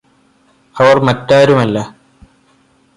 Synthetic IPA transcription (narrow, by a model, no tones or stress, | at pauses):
ɐʋɐrmɐtːaːɾumɐlːɐ